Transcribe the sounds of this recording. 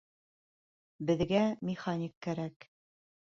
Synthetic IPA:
bɘ̆ðɡæmʲɪχanʲikːæɾæk

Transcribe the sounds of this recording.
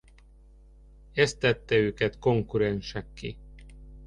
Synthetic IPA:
ɛst̪ːɛt̪ːɛøːkɛt̪ko̞ŋkuɾɛnʃɛkːḭ

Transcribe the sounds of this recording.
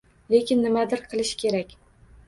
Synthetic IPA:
le̞kʲɪnːɪmad̪ɪɾqʰɨlˠɪʃkʲʰe̞ɾakʲ

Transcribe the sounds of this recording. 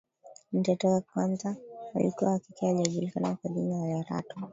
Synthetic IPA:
n̩tɛtɔakanzahalḭkuahakikiaʄaʄulikanakwaʄinaajaɾa̰tɔ

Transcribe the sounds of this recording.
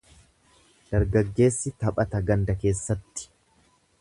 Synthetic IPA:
d̪̥ɐɾɡɐɡːe̞ːsːɪt̪ɐpʼɐt̪ɐɡɐnd̪ɐke̞ːsːɐt̪ːɪ̥

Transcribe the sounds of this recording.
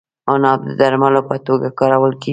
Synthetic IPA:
onɑb̚d̪əd̪aɾmalopət̪oɡakɑɾawəlke

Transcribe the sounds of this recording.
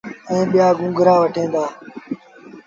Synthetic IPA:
ɛ̃ːɓɪjaːɡʊ̃ŋɡɾaːʋəʈʰẽːnd̪aː

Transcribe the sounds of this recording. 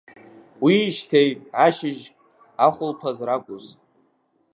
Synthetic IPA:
wiːʃtʰejtʼaʃɪʒ | aχʷʊlpʰazraɡʷʼʊz

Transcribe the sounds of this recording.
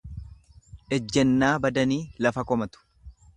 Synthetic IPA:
ʔɛd͡ʒːɛnːaːbɐd̪ɐniːlɐfɐkɔmɐt̪ʊ̥

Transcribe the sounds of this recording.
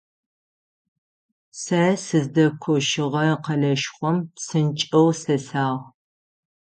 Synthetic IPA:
sɐsɨzdɐkʷʰɔʃɪʁɐqɐɮɐʃχʷɔmsɨnt͡ʃʼɐwsɐsaːʁ

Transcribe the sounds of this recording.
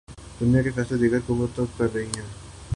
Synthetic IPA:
d̪̥ʊnijakefɛːsled̪iɡəɾkomʊt̪əb̚kɐɾd̪eːĩɛ̃ː

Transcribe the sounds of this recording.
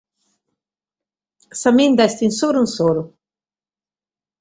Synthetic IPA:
sɐmind̪ast̪insoɾunsoɾu

